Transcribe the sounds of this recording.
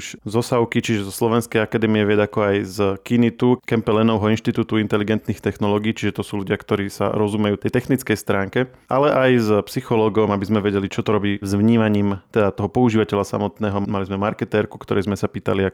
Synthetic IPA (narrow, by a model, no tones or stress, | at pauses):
uʒzɔsaʊkit͡ʃiʒɛzɔslɔʋɛnskɛjakad̪ɛːmiɛʋɪɛdakɔajzkinit̪ukɛmpɛlɛnɔʊɦɔinʃt̪it̪uːt̪uint̪ɛliɡɛnt̪niːxt̪ɛxnɔlɔːɡiːt͡ʃiʒɛt̪ɔsuːluɟɪakt̪ɔɾiːsa̰ɾɔzumɛjuːt̪ɛjt̪ɛxnit͡skɛjst̪ɾaːŋkɛ | a̰lɛʔajzpsixɔlɔːɡɔmabizmɛʋɛɟɛlit͡ʃɔt̪ɔɾɔbiːzʋɲiːmaɲiːmt̪ɛd̪at̪ɔɦɔpɔuʒiːʋacɛʎasa̰mɔt̪nɛːɦɔmalizmɛmaɾkɛt̪ɛɾku̥kt̪ɔɾɛjzmɛsapiːt̪a̰lia